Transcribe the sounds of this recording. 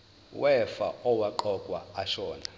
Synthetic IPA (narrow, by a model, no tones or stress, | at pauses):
wɛfa̰ɔwaǃɔkʼwa̰ːʃɔːna